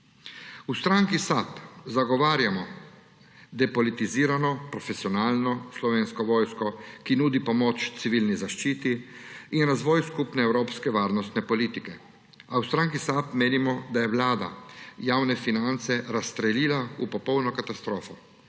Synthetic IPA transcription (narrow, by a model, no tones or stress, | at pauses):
ust̪ɾaŋkisapzaɡɔʋaːɾjamɔ | d̪ɛpɔlit̪iziːɾanɔpɾɔfɛsiɔnaːlnɔslɔʋeːnskɔʋɔːjskɔkinuːd̪ipɔmot͡ʃt̪siʋiːlnizaʃt͡ʃiːt̪iinɾazʋɔːjskupnɛɛwɾoːpskɛʋaːɾnɔst̪nɛpɔliːt̪ikɛ | awst̪ɾaŋkisapmeːnimɔd̪ajɛwlaːd̪a̰jaːwnɛfinant̪sɛɾast̪ɾɛliːlaupɔpɔwnɔkat̪ast̪ɾoːfɔ